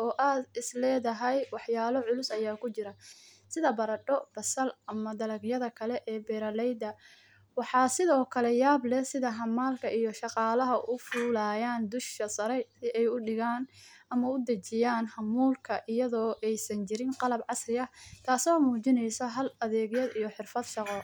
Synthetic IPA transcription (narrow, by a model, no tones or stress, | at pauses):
ɔːʔaːd̪ɪslɛːðɐɦɛjwɑħjaːlɔʕʊlʊsɐjaːkʰʊt͡ʃɪɾɐ | sɪðɐbɐɾɐɖɔb̥ɐsɐlɐmɐd̪ɐlɐɡjɐðɐkʰɐlɛʔɛːbɛːɾɐlɛjd̪ɐ | wɑħɑːsɪðɔːkʰɐlɛjaːblɛsɪðɐɦɐmːaːlkʰɐʔijɞʃɑqɑːlɐɦɐʔʊfuːlaːjaːnd̪ʊʃkɐsɐɾɛjsɪʔɛjʊɖɪɣaːn | ɐmɐʊd̪ɐt͡ʃɪjaːnhɐmuːlkʰɐʔɪjɐðɔːʔɛjsɐnt͡ʃɪɾɪnqɑlɐbʕɑsrɪɐt̪ʰaːsɔːmuːt͡ʃɪnɛjsɐɦɐlɐðɛːɣjɐd̪ijɞħɪrfɐd̪ʃɑqɔ